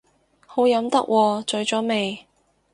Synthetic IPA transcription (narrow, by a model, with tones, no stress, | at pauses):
ho˨˥wjɐ˨˥mt̪ɐ˥k̚wʔɔː˧t͡ʃɵ˨˥ɥt͡sɔː˨˥me˨j